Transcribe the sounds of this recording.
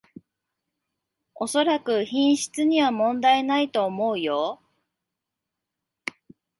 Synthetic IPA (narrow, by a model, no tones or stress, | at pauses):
o̞so̞ɾakɯ̟çĩɰ̃ɕi̥t͡sɨɲ̟iβamõ̞nd̪aenait̪o̞ːmo̞ɯ̟jo̞